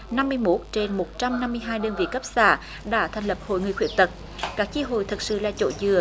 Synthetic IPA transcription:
na˧mːɨ˧əjmo˦˥t̚t͡ɕe˧nmo˨˩t̚t͡ɕa˧mna˧mːɨ˧əjɦaː˧jɗəː˧nvḭ˧˨kə˦˥p̚sa̰ː˧˩ | ɗa̰ː˧˥t̪ʰɛ˨˩ŋ̟lə˨˩p̚ho̰˧˨jŋɨ˨˩əjxwḭ˧˩ənt̪ə˨˩t̚ | kaː˦˥k̚t͡ɕi˧ɦo̰˧˨jt̪ʰə˨˩t̚sɨ̰˧˨la̰ː˧˨t͡ɕo̰˧˥zɨ˨˩ə

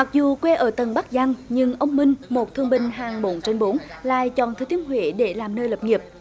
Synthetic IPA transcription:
ma˨˩k̚zu˨˩kwe˧ʔəː˧˩t̪ə˨˩nɓa˦˥k̚za˧ŋɲɨ˧ŋʔə˧wŋ͡mmï˧ŋ̟mo˨˩t̚t̪ʰɨ˧əŋɓï˨˩ŋ̟ɦaː˨˩ŋɓo˨˦nt͡ɕe˧nɓo˨˦nla̰ː˧˨jt͡ɕɔ̰˧˨˩nt̪ʰɨː˨˧t̪i˨˦ənɦwḭ˧˩ɗe˧˩laː˨˩mnəː˧jləː˨˩p̚ŋi˨˩əp̚

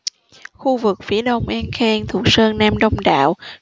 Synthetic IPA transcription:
xu˧vɨ˨˩k̚fi˨˩˦əɗə˧wŋ͡mʔɛ˧nxɛ˧nt̪ʰṵ˨˩əsəː˧nnaː˧mɗə˧wŋ͡mɗa̰ː˧˨w

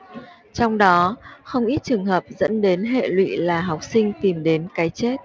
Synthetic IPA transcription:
t͡ɕɔ˧wŋ͡mɗɔ˨˦xə˧wŋ͡mʔi˦˥t̚t͡ɕɨ˨˩ŋɦəː˨˩p̚zə̰˧˥nɗe˨˦nɦḛ˧˨lwḭ˧˨laː˨˩ɦa˨˩wk͡p̚sï˧ŋ̟t̪i˨˩mɗe˨˦nkaː˨˦jt͡ɕe˦˥t̚

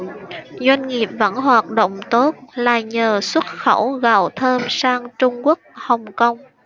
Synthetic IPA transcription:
zwa˧jŋ̟ŋi˨˩əp̚və̰˧˥nɦwaː˨˩t̚ɗo̰˧˨wŋ͡mt̪o˦˥t̚laː˨˩ɲəː˨˩swə˦˥t̚xə˧˥wɣa˧˩˨wt̪ʰəː˧msaː˧ŋt͡ɕʊ˧ŋ͡mku˦˥ək̚hə˨˩wŋ͡mkə˧wŋ͡m

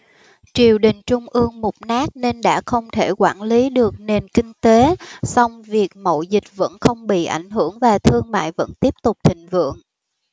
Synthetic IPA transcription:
t͡ɕi˨˩əwɗï˨˩ŋ̟t͡ɕʊ˧ŋ͡mʔɨ˧əŋmʊ˨˩k͡p̚naː˦˥k̚ne˧nɗa̰ː˧˥xə˧wŋ͡mt̪ʰe˧˩kwaː˧˩nli˨˦ɗɨ˨˩ək̚ne˨˩nkï˧ŋ̟t̪e˨˦sa˧wŋ͡mvi˨˩ək̚mo̰˧˨zï˨˩k̟̚və̰˧˥nxə˧wŋ͡mɓḭ˧˨ʔa˧˩jŋ̟ɦɨ˧˩əŋvaː˨˩t̪ʰɨ˧əŋma̰ː˧˨jvə̰˧˥nt̪i˦˥əp̚t̪ʊ˨˩k͡p̚t̪ʰï˧˨ŋ̟vɨ̰˧˨əŋ

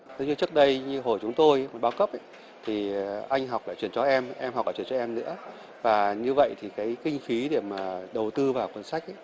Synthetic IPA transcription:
t̪ʰə˨˦ɲɨ˧t͡ɕɨ˦˥ək̚ɗə˧jɲɨ˧ɦo˨˩jt͡ɕʊ˨˦ŋ͡mt̪o˧jmo˨˩t̚ɓaː˨˧˦wkə˦˥p̚ʔə˦ | t̪ʰi˨˩ʔa˧jŋ̟ɦa˨˩wk͡p̚la̰ː˧˩t͡ɕwi˧˩ənt͡ɕɔ˧ʔɛ˧mʔɛ˧mha˨˩k͡p̚laː˧t͡ɕwə˨˩t͡ɕɔ˧ʔɛ˧mnɨ̰˧˥ə | vaː˨˩ɲɨ˧və̰˧˨jt̪ʰi˨˩kaː˨˦jkï˧ŋ̟xi˨˦ɗe˧˩maː˨˩ɗə˨˩wt̪ɨ˧vaː˨˩wkwə˧˩nsa˦˥k̚

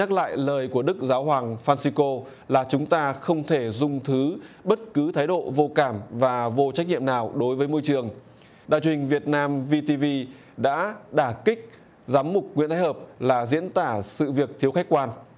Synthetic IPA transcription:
ɲaː˦˥k̚la̰ː˧˨jləː˨˩jku˧˩əɗɨ˦˥k̚zaː˨˦wɦwaː˨˩ŋfaː˧nsi˧ko˧ | laː˨˩t͡ɕʊ˨˦ŋ͡mt̪aː˧xə˧wŋ͡mt̪ʰe˧˩zʊ˧ŋ͡mt̪ʰɨ˨˦ɓə˦˥t̚kɨ˨˦t̪ʰaː˨˦jɗo̰˧˨vo˧kaː˧˩mvaː˨˩vo˧t͡ɕa˦˥k̚ɲḭ˧˨əmnaː˨˩wɗo˨˦jvəː˨˦jmo˧jt͡ɕɨ˨˩əŋ | ɗa̰ː˧˨jt͡ɕu˨ï˨˩ŋ̟vi˨˩ət̚naː˧mvi˧t̪i˧vi˧ | ɗa̰ː˧˥ɗaː˧˩kï˦˥k̟̚ | zaː˨˦mːʊ˨˩k͡p̚ŋw̰i˧˥nt̪ʰaː˨˦jhəː˨˩p̚laː˨˩zḭ˧˥ənt̪aː˧˩sɨ̰˧˨vi˨˩ək̚t̪ʰi˨˦əwxa˦˥jk̚kwaː˧n

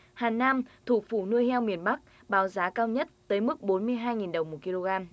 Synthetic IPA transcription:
haː˨˩nːaː˧mt̪ʰṵ˧˩fṵ˧˩nɨ˧əjhɛ˧wmi˨˩ənɓa˦˥k̚ | ɓaː˨˦wzaː˨˦kaː˧wɲə˦˥t̚t̪əː˨˦jmɨ˦˥k̚ɓo˨˦nmɨ˧əjɦaː˧jŋi˨˩nɗə˨˩wŋ͡mmo˨˩t̚ki˧lo˧ɣaː˧m

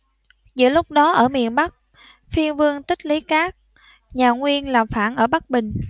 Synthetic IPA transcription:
zɨ̰˧˥əlʊ˦˥k͡p̚ɗɔ˨˦ʔəː˧˩mḭ˧˨ənɓa˦˥k̚ | fi˧ənvɨ˧əŋt̪ï˦˥k̟̚li˨˦kaː˦˥k̚ | ɲaː˨˩ŋwi˧ənlaː˨˩mfaː˧˩nʔəː˧˩ɓa˦˥k̚ɓï˨˩ŋ̟

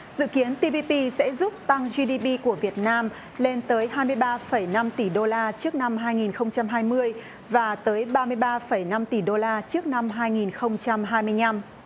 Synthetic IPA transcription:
zɨ̰˧˨ki˨˦ənt̪i˧pi˧pi˧sɛ̰˧˥zu˦˥p̚t̪a˧ŋzi˧ɗi˧ɓi˧ku˧˩əvi˨˩ət̚naː˧m | le˧nt̪əː˨˦jɦaː˧jmɨ˧əjɓaː˧fə˧˩jna˧mt̪i˧˩ɗo˧laː˧t͡ɕɨ˦˥ək̚na˧mɦaː˧jŋi˨˩nxə˧wŋ͡mt͡ɕa˧mɦaː˧jmɨ˧əj | vaː˨˩t̪əː˨˦jɓaː˧mɨ˧əjɓaː˧fə˧˩jna˧mt̪i˧˩ɗo˧laː˧t͡ɕɨ˦˥ək̚na˧mɦaː˧jŋi˨˩nxə˧wŋ͡mt͡ɕa˧mɦaː˧jmɨ˧əjna˧m

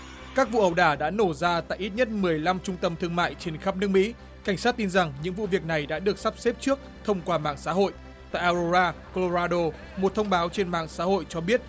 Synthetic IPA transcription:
kaː˦˥k̚vṵ˧˨ʔə˨˧˩wɗaː˧˩ɗa̰ː˧˥no˧˩zaː˧t̪a̰ː˧˨jʔi˦˥t̚ɲə˦˥t̚mɨ˨˩əjla˧mt͡ɕʊ˧ŋ͡mt̪ə˧mt̪ʰɨ˧əŋma̰ː˧˨jt͡ɕe˧nxa˦˥p̚nɨ˦˥ək̚mḭ˧˥ | ka˧˩jŋ̟saː˦˥t̚t̪i˧nza˨˩ŋɲɨ̰˧˥ŋvṵ˧˨vi˨˩ək̚na˨˩jɗa̰ː˧˥ɗɨ˨˩ək̚sa˦˥p̚se˦˥p̚t͡ɕɨ˦˥ək̚t̪ʰə˧wŋ͡mkwaː˧ma̰ː˧˨ŋsa̰ː˧˥ɦo̰˧˨j | t̪a̰ː˧˨jʔaː˧o˧zaː˧ko˧lo˧zaː˧ɗo˧ | mo˨˩t̚t̪ʰə˧wŋ͡mɓaː˨˦wt͡ɕe˧nma̰ː˧˨ŋsa̰ː˧˥ho̰˧˨jt͡ɕɔ˧ɓi˦˥ət̚

